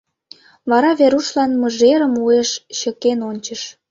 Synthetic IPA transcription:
βɑɾɑβeɾuʃlɑnməʒeɾəmueʃɕəkenonʲt͡ɕəʃ

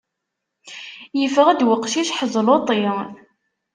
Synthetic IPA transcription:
jəfəʁæd̪wəqʃiʃħəzˤlot̪ˤi

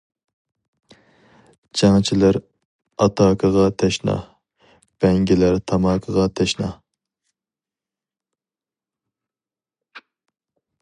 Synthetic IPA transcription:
d͡ʒɑŋt͡ʃʰilæɾ | ɑt̪ʰɑːkʰəʁɑt̪ʰɛʃnɑ̰ | b̥ɛŋɡʲɪlæɾt̪ʰɑmɑːkʰəʁɑt̪ʰɛʃnɑ

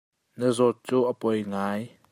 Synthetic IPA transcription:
nəzɔt̪̚t͡suːʔəpɔjŋaj

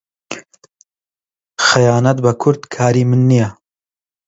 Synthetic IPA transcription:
xɐjaːnɐt̪̚bɐkʰʊɾd̪kʰaːɾiːmɨnːijɐ

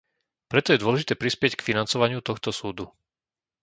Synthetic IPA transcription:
pɾɛt̪ɔjɛd̪ʊɔlɛʒit̪ɛːpɾispɪɛckfinant͡sɔʋaɲɪut̪ɔxt̪ɔsuːd̪u

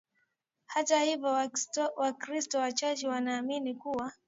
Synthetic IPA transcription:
hatahivɔwakɾistɔwat͡ʃat͡ʃɛwanaːminikuwa

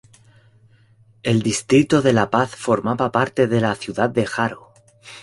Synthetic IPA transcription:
e̞ld̪ist̪ɾit̪oðe̞lapaθfo̞ɾmaβapaɾt̪e̞ðe̞laθjuðað̚d̪exaɾo

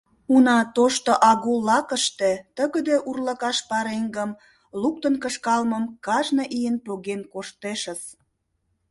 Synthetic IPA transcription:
unɑt̪oʃt̪oʔɑɣulːɑkə̆ʃt̪et̪əɣə̆d̪eʔurlɑkɑʃpɑɾeŋɡəm | luk̚t̪ənkəʃkɑlməmkɑʒnɤ̆ʔijənpoɣenkoʃt̪eʃə̆s

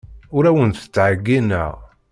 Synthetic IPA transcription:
ʊɾæwənθə̥t͡sːʕəɡːinə̰ʁ

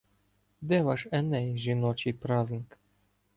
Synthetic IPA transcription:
d̪ɛvaʃɛnɛjʒinɔt͡ʃipɾaznik

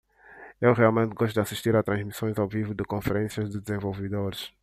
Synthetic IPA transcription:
ewʁialˠmẽnt̪ɡɔʃt̪ud̪asiʃt̪iɾat̪ɾɐ̃ʒmisõj̃zawvivud̪ɨkõfeɾẽsjɐʒd̪ɨd̪ɨzẽvolˠvɨd̪oɾɪʃ

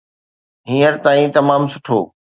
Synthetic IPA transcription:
ɦĩːəɾt̪aːĩt̪ɐmaːmsʊʈʰoː

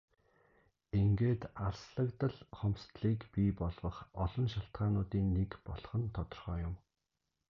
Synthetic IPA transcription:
eŋɡeːt̪aɮsɮə̆kt̪ə̆ɮχɔmst̪ɮiːkpiːpɔɮʁɞ̆χɔɮɞ̆nʃaɬt̪̚ɢaːnʊːt̪iːnːekpɔɮ̆χə̆nt̪ʰɔt̪ɞ̆rχœːjʊm

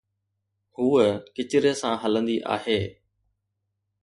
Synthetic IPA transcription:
huːəkɪt͡ʃɪɾəsãːɦələ̃nd̪iːʔa̰ːɦeː

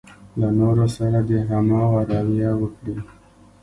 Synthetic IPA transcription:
lanoɾosaɾad̪eɦamɑwaɾɑwjawəkɽi

